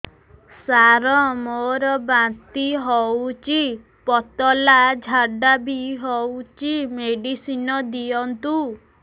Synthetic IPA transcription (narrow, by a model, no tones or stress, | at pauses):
saɾɔmoɾɔbãt̪iɦɔwt͡ʃi | pɔt̪ɔlad͡ʒʱaɖabiɦɔwt͡ʃimeɖisinɔd̪ijɔnt̪u